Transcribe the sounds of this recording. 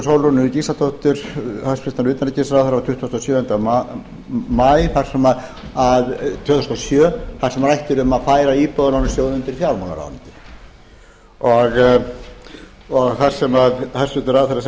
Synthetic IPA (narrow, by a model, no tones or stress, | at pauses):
sowlɔnːʏɾɪcisat̪ʰɔht̪ʏɾ̥hasfɾɪst̪aɾʏːt̪anɪcisaɾawθaɾat̪ʰʏht̪ust̪ɔsjœːɛnt̪a | majθar̥sɛmað | aðt̪ʰœːt̪ust̪ɔsjœːθar̥sɛmɾrajht̪ʏɾʏmaðfaːjɾaiːpɔðnanʏsjoːwðʏnt̪ɪɾfjawɾmana̰ɾa̰nt̪ɪ̥ | ɔɣ | ɔɣθar̥sɛmaðθarsʏt̪ʏɾawθɛɾːas